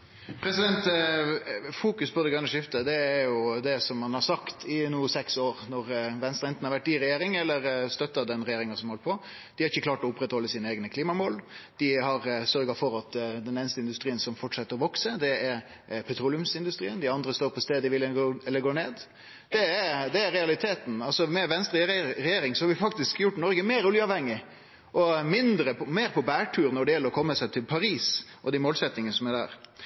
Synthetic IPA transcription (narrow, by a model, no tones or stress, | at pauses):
pʰɾɛsɪd̪ɛnt̪ | fuːkʉspʰɔd̪ɛɡɑŋləʂɪft̪əd̪ɛːɾjʊd̪ɛsɔmhɑnhɑɾsɑkt̪ʰɪnuːsɛksoːɾnɔɾʋɛnst̪ɾəɛnt̪n̩ɑɾʋæʈ̪̚ːiːɾɛjeːɾɪŋɛlːəɾst̪œt̪ːɑd̪ɛnɾɛjeːɾɪŋɑsɔmhɔləpʰɔ | d̪ɪhɑɾɪçːəkʰlɑːʈɔʊpːɾɛt̪hɔlːəsiːnəeːɡnəkʰliːmɑmoːld̪̥ɪɦɑɾsœɾɡɑfɔɾɑt̪d̪ɛneːnəst̪əɪnd̪ʉst̪ɾiːənsɔmfɔʈʂɛt̪ːəɾɔʋɔksəd̪ɛɛɾ | pʰɛt̪ʰɾʊlɪʉmsɪnd̪ʉst̪ɾiːənd̪ɪɑnd̪ɾəst̪oːɾpʰɔst̪eːd̪əʋɪlɡoːɛlːəɡoːneːd̪ | d̪̥ɛɾd̪ɛæɾɾɛɑlɪt̪ʰeːt̪n̩ɑlsɔmɛʋɛnst̪ɾɪɾɛjeːɾɪŋsɔhɑɾʋɪfɑk̚t̪ɪskjʊʈːnɔɾɡəmeːɾʊljəɑːʋhɛŋːɪ | ʔɔmɪnd̪ɾəpɔmeːɾpʰɔbæːʈʰʉːɾnɔɖɛjɛlːəɾɔkʰɔmːəsæɪt̪ʰɪlpʰɑɾiːsʔɔd̪æɪmoːlsɛt̪nɪŋənəsɔmæɾd̪æ̰ːɾ